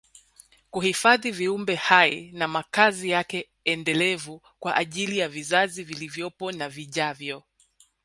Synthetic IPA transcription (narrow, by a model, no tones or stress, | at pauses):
kuhifaðiviumbɛhaḭnamakazijakɛ | ɛndɛlɛvu | kwaʔaʄilijavizazivilivjɔpɔnaviʄavjɔ